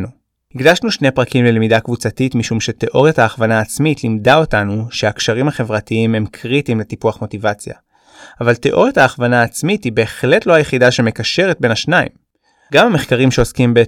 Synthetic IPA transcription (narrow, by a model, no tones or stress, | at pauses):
nu | hiɡdaʃnuʃnejpʁakimlelemidakvut͡satitmiʃumʃe̞te̞ʔo̞ʁjathaːχvanaːt͡smitʰlimdao̞tanuʃeakʃaʁimhaχe̞vʁatiime̞mkʰʁitimletipuaχmo̞tivat͡sja̰ | avalte̞ʔo̞ʁjathaːχvanaːt͡smitibe̞ːχle̞tlo̞hajeχidaʃeme̞kaʃe̞ʁet̚be̞naʃnaḭm | ɡamhame̞χkaʁimʃe̞o̞skimbe